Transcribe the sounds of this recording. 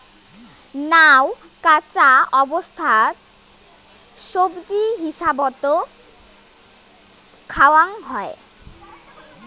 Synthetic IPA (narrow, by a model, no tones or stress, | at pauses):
naw | kat͡ɕaɔbost̪ʰaɾ | ʃobd͡ʑiɦiʃabɔt̪o | kʰawaŋɦɔe